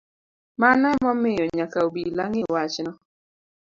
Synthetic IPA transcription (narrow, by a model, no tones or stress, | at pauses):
manɔmɔmɪjɔɲakaobilaŋɪwat͡ʃnɔ